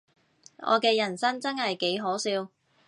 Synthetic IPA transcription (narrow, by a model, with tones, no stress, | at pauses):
ʔɔ̰ː˨˧kɛː˧jɐ˨˩nsɐ˥ŋt͡sɐ˥nhɐ˨jke˨˥jɦɔː˨˥siː˧w